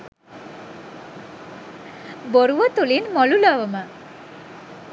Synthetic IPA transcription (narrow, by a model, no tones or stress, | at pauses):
boɾuʋɔt̪ulinmɔlulɔʋɔma